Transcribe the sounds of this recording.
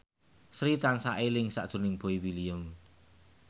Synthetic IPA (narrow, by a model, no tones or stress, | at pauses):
sɾit̪ansaʔelɪŋsa̰ʔd̥ʒ̥ṳnɪŋb̥o̤iwiliəm